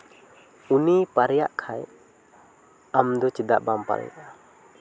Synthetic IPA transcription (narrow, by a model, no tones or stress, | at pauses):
unipaɾɛja̰ʔkʰaj | amd̪ɔt͡ʃid̪aʔbampa̰ɾɛ̰ja̰ʔa